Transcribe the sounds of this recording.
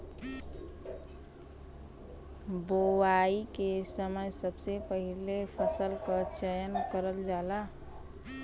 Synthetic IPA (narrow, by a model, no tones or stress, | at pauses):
bowaikesəməjsəbsepəɦilepʰəsəlkət͡ʃəjənkəɾəld͡ʒala